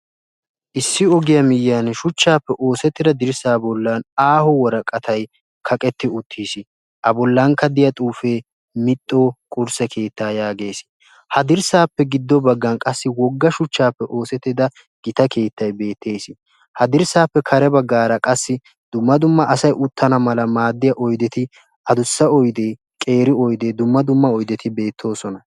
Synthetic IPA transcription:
ʔɪsːɪɔɡɪjɐmɪjanʃʊt͡ʃːaːpːɛʔo̞ːsɛt̪ːɪd̪ɐd̪ɪɾsaːbɔlːɐnaːhɔwɔɾɐkʼːɐt̪ɐj | kʰɐkʼɛt̪ːɪʊt̪ʰːiːsɪ | ʔɐbɔlːɐŋkɐd̪ɪjɐt̪ʼuːfe̞ː | mɪt̪ʼːoːkʼʊɾsɛkʰe̞ːt̪ːaːjaːɡe̞ːs | hɐd̪ɪɾsaːpːɛɡɪd̪ːɔbɐɡːɐnkʼɐsːɪwɔɡːɐʃʊt͡ʃːaːpːɛʔo̞ːsɛt̪ːɪd̪ɐ | ɡ̥ɪt̪ɐke̞ːt̪ːɐjbe̞ːt̪ːe̞ːsɪ | hɐd̪ɪɾsaːpːɛkʰɐɾɛbɐɡːaːɾɐkʼɐsːɪ | d̪̥ʊmːɐd̪ʊmːɐʔɐsɐjʔʊt̪ʰːɐnɐmɐlɐmaːd̪ːɪjɐʔɔjd̪ɛt̪ɪ | ʔɐd̪ʊsːɐɔjd̪eː | kʼe̞ːɾɪɔjd̪eːd̪ʊmːɐd̪ʊmːɐɔjd̪ɛt̪ɪbe̞ːt̪ʰːo̞ːsɔnɐ

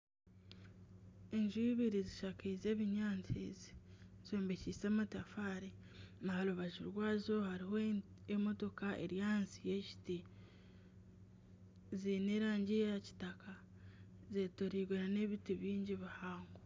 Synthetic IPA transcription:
e̞ɲʒuβiɾiziʃakize̞ːβiɲaːnt͡sḭzi̥zoːmbecisamatafaːɾi | nahaluβaʒiɾwaːzo̞haɾiho | emo̞to̞kaʔe̞̰ɾjansije̞ʃi̥ti | zine̞ːɾaːɲɟijaci̥taka | zetoɾiːɡeɾane̞βitiβiːɲɟiβihaːŋɡo

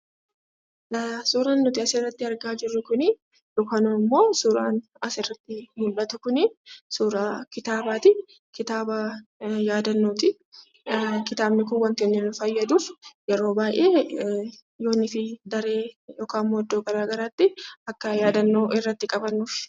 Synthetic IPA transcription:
lɐsuːɾanːʊt̪ɪɐsɪrːɐt̪ːɪɐɾɡaːd͡ʒɪrːʊkʊnɪ | joːkanumːo̞ːsuːɾa̰ːn | ɐsɪrːɐt̪ːɪjʊlːɐt̪ʊkʊnɪsuːɾakɪt̪aːbaːt̪ɪ | kɪt̪aːbɐjaːd̪ɐnːot̪ɪ | kɪt̪aːbnɪkʊnwɐnt̪ɛnːɪnʊfɐjːɐd̪uːfjɛɾo̞ːbaːjʔeː | jo̞ːnːɪfɪd̪ɐɾe̞ːjoːkaːmmod̪ːoːɡɐɾaːɡɐɾaːt̪ːɪɐkːɐjaːd̪ɐnːo̞ːʔɪrːɐt̪ːɪkʼɐbɐnːuːf

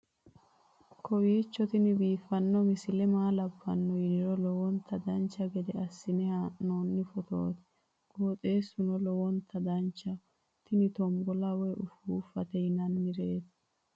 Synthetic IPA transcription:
kʰɔwiːt͡ʃːɔt̪ɪnɪbiːfɐnːɔmɪsɪlɛmaːlɐbːɐ̰nːɔjɪdɪɾɔlɔwɔnt̪ʰɐd̪ɐnt͡ʃːɐɡɛd̪ɛɐsːɪnɛhaʔnoːnːɪfɔt̪o̰ːt̪ | ɡ̥oːt̪ʼe̞ːsʊnɔlɔwɔnt̪ʰɐd̪ɐnt͡ʃːɐ | t̪ɪnɪt̪ɔmbɔlɐwɛʔʊfuːfɐt̪ɛɪnɐnmɪɾeːt̪

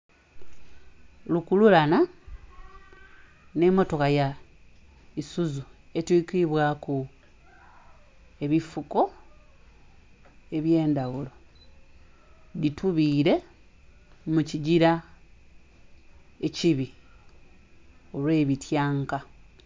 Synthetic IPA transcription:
lukululana | ne̞mo̞to̞kaja | isuzue̞twiːkiiβwaːku | e̞βifuko̞ | e̞βje̞ːndawulo̞ | ditʰuβiːɾe̞ | muciɟiɾa | eciβi | o̞lwe̞ːβitʰjaːŋka

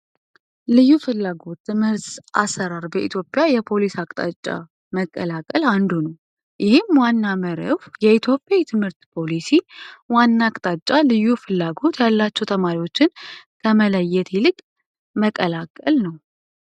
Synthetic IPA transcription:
lɨjːufɨlːaɡo̞t̪ːɨmhɨɾt̪ʔa̰sːəɾaɾbəʔḭt̪ʰjo̞pʼːjajɛpʰo̞lisakʼt̪ʼa̰t͡ʃʼːa̰ | məkʼːəlakʼəland̪unəw | jʔɪhɪmwanːaməɾə̰fjɛit̪ʰjo̞pʼjajt̪ʰɨmhɨɾt̪pʰo̞lisiwanːaːkʼt̪ʼat͡ʃʼːalɨjːufɨlːaɡo̞t̪jalːat͡ʃːɛwt̪ʰəmaɾiwo̞t͡ʃːɪnkʰəmələjːɛt̪ʰilɨkʼ | məkʼəlakʼəlnəw

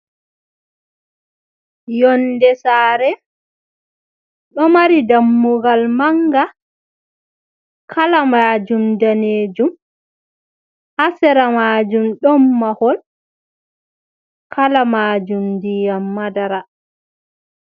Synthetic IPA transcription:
jɔndɛsaːɾɛ | ɗɔmaɾidamːuɡalmaŋɡa | kʰalamaːd͡ʒumdaneːd͡ʒum | hasɛɾamaːd͡ʒumɗɔmːahɔl | kʰalamaːd͡ʒumdijamːadaɾa

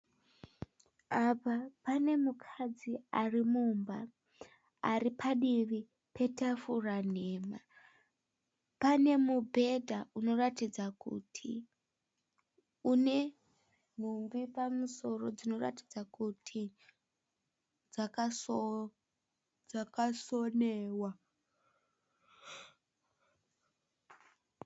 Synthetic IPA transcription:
apapane̞mukʰad͡ziarimumba | a̰ripʰaɗiri | pe̞tafuraneːma | pane̞mubʱe̞dʱaʔuno̞ratid͡zakṵtʰi | une̞ | n̤umbipamuso̞ro̞d͡zino̞ra̰ti̥d͡zakutʰi | d͡zaka | d͡zakasoneːwa

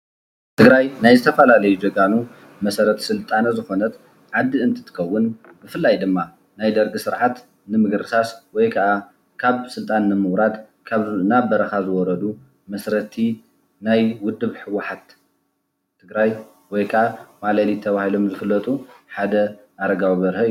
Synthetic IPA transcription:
t̪ʰɨɡɾajnajzɨt̪ʰɐfɐlalɐjud͡ʒɐɡanu | mɐsɐɾɐt̪ʰsɨlt̪ʼanzɨxo̞nɐt̪ | ʕad̪ːiɨnt̪ʰɨ̥t̪ʰɨ̥kʰɐwːʊn | bɨfɨlːajd̪ɨmːa | najd̪ɐɾɡɨsɨɾʕat̪ | nɨmɨɡɾɨsaswɔjkʰɐʔa | kʰaβsɨlt̪ʼanːɨmɨwɾad̪ | kʰaβnabɐɾɐxazɨwɔɾɐd̪u | mɐsɾɐt̪ʰi | najwʊd̪ːɨβħɨwʊħat̪ːʰ | ɨɡɾaj | wɔjkʰɐʔamalalit̪ʰɐβahilo̞mzɨfɨlːɐt̪ʼuħad̪ɐ | ʔaɾɐɡawβɐɾhɐ

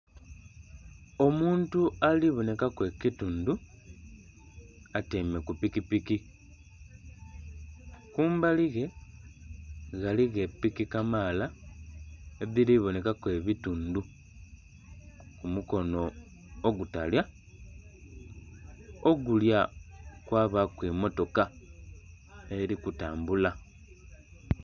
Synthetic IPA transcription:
o̞muːntualiβo̞ne̞kakwe̞kituːndu | ateːme̞kupikipiki | kuːmbaliɣe̞ | ɣaliɣe̞pːikikamaːla | eðiɾiβo̞ne̞kakwe̞βituːndu | kumuko̞no̞ː | ɡutalja | oɡuljakwaːβakwimo̞to̞ka | e̞ɾikutaːmbula

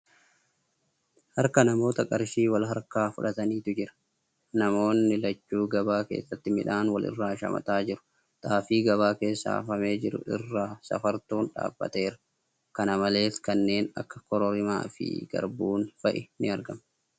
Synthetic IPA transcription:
hɐɾkɐnɐmo̞ːt̪ɐkʼɐɾʃiːwɐlɦɐɾkaːfʊᶑɐt̪ɐniːt̪ʊd͡ʒɪɾɐ̥ | nɐmo̞ːnːɪlɐt͡ʃːuːɡɐbaːke̞̰ːsːɐt̪ːɪmɪ̰ᶑaːnwɐlɪ̰rːaːʃɐ̰mɐ̰t̪aːd͡ʒɪɾʊ̥ | t̪ʼaːfiːɡɐβaːke̞ːsːa̰ːfɐme̞ːd͡ʒɪɾʊ̰ʔɪ̰rːaːsɐ̰fɐɾt̪uːnᶑa̰ːb̥ːɐ̰t̪e̞ːɾɐ̥ | kɐnɐmɐle̞ːfkɐnːe̞ːnɐ̰kːɐ̥kɔɾɔɾɪma̰ːfɪ̰ɡ̥ɐ̰ɾbuːnfɐʔɛnɪɐɾɡɐm

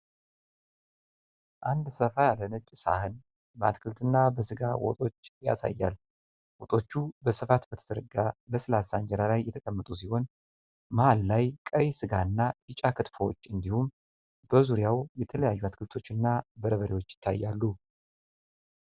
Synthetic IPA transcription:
ʔand̪səfajalːənət͡ʃʼsa̰hɨn | bəat̪kʰɨlt̪ʰɨnːabəsɨɡawɔ̰t̪ʼo̞t͡ʃːja̰sa̰jːa̰l | wɔt̪ʼo̞t͡ʃːubəsɨfat̪bət̪ʰə̥səɾɨɡaləsɨlasaɲd͡ʒɛɾalajːɛt̪ʰəkʼəmːət̪ʼus̬iho̞n | məhalːajkʼəjsɨɡaɨnːaɨt͡ʃʼakʰɨt̪fəwɔt͡ʃːɨnd̪ihum | bəzuɾjawjɛt̪ʰələjajːuat̪kʰɨlt̪ʰo̞t͡ʃːɨnːabəɾəβəɾiwo̞t͡ʃːjɪ̥t̪ʰːa̰jːalːu

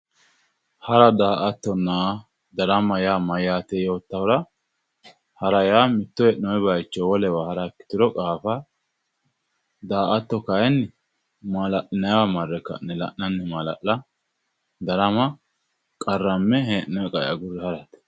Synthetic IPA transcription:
hɐɾɐd̪aːʔɐt̪ːɔnːaː | d̪ɐɾɐmɐjaːmɐjaːt̪ɛjo̞ːt̪ːɐwɾɐ | hɐɾɐjaːmɪt̪ːɔɛʔnɔɛbɐjt͡ʃːɔwɔlɛwahɐɾakːɪ̥t̪ɪɾɔkʼaːfɐ | d̪aːʔɐt̪ːɔkɐjɛnː | malɐʔɪnɐjwamɐrːɛkːɐ̰nːɛlɐ̰ʔnɐnːɛmɐlɐ̰ʔlɐ | d̪ɐɾɐmɐ | kʼɐrːɐmːɛɦɛːʔnɔɛkʼɐjɐ̰ɡʊɾɪhɐɾɐt̪ɛ̥

